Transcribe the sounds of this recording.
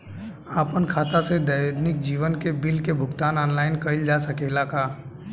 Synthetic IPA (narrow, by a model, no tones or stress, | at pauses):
aːpənkʰaːt̪ased̪əjod̪nɪk̚d͡ʒiːʋənkebɪlkebʱʊɡt̪aːnɔːnlaːɪnkəɪld͡ʒasəkeːlakaː